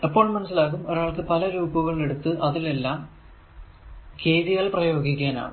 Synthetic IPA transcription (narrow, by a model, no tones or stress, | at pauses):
ɐpːo̞ːɭmɐnɐs̬ːilaːɣumo̞ɾaːɭkɨpɐlɐɾuːbuɣɐɭɭe̞ɽut̪ːɨʔɐðile̞lːaːm | ke̞jðijaːlprɐjo̞ːɡikʲːaːna̰ːɳɨ̰